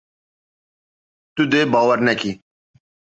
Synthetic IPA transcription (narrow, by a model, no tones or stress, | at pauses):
t̪ud̪ebaːʋəɾnɛki